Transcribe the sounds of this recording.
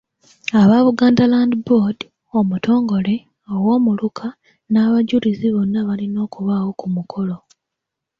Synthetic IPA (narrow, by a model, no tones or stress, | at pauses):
aβaβuɡaːndalaːndbod | o̞mutʰo̞ːŋɡo̞le̞ | owo̞ːmulukʰa | naːβaɟuliziβo̞nːaβalino̞ːkuβawo̞kumukʰo̞lo̞